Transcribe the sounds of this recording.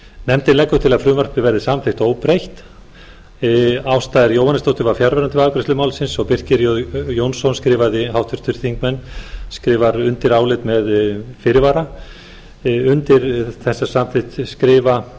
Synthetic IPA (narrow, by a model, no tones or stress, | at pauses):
nɛmt̪ɪnɛkːʏt̪ʰɪlaðfɾʏːmar̥pɪvɛɾðɪsamθɪht̪oːwpɾejht̪ | awst̪aːðɪɾjowhanɪst̪owt̪ʏvafjaɾvɛɾant̪ɪvaːkɾɪst̪ʏmaːwlsɪnsɔɣpɪr̥cɪɾjojownsɔnskɾɪːvaðɪɦawht̪vʏɾst̪ʏɾ̥θiŋkmɛnːskɾɪːvaɾʏnt̪ɪɾaːwlɪt̪mɛðfɪːɾɪvaːɾa | ʏnt̪ɪɾθɛsːḁsamθeht̪skɾɪːva